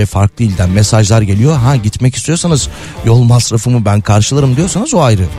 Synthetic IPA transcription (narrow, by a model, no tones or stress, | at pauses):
ɛfaɾklˠɯilʲd̪ænmesaʒlˠaɾɟe̞lʲijo̞ɦaɟit̪mɛcist̪ʰijo̞sanɯz | jo̞lˠmasɾafɯmɯbænkʰaɾʃɯlˠaɾɯmd̪ijo̞ɾsanɯzoajɾɯ